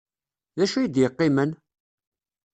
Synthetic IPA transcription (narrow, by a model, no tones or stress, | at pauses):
ðæʃujid̪jəqːɪmən